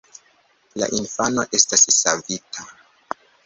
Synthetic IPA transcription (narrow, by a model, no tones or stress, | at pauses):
la̰ʔinfano̞̰ʔe̞stasːavitʰa